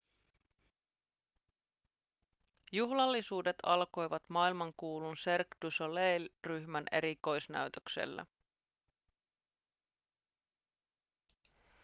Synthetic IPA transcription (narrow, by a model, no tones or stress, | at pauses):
juɦlɑlːisuːde̞t̪ʰɑlko̞jʋɑt̪mɑːilmɑŋkuːlunserkdusolejlryçmænʔe̞̰ɾiko̞jsnæ̰ɥt̪øksḛlːæ̰